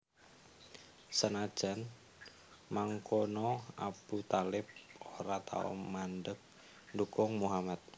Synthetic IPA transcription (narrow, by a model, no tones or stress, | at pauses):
sənad̥ʒ̥an | maŋkonɔa̰b̥ut̪alɪp̚oɾat̪ʰa̰ɔ̰mandək̚ | ndukʊŋmuɦamat̪̚